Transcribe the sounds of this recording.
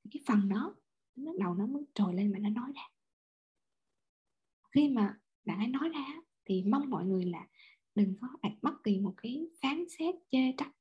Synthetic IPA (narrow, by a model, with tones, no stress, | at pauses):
kaː˨˦jfə˨˩nɗɔ˨˦ | t̪ɨ˨˦lə˦˥k̚ɗə˨˩wnɔ˨˦məː˨˦jt͡ɕo˨˩jle˧nɓa̰ː˧˨nɔ˨˦nɔ˨˦jzaː˧˨˩ | xi˧maː˨˩ | ɓa̰ː˧˨nha˨˧˦jnɔ˨˦jzaː˧ʔːt̪ʰi˨˩ma˧wŋ͡mmːɔ̰˧˨jŋɨ˨˩əjlaː˨˩ | ɗɨ˨˩ŋkɔ˨˦ʔa˨˩jk̟̚mɓə˦˥t̚ki˨˩mo˨˩t̚kaː˨˦jfaː˨˦nsɛ˦˥t̚t͡ɕe˧t͡ɕa˦˥k̚